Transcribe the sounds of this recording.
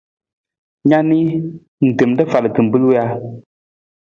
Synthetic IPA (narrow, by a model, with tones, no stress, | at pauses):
ɲa˦ni˦ | n̩˨te˨mndə˦fa˨lə˨kɨ˨m̩˨bɨ˦lu˦a˦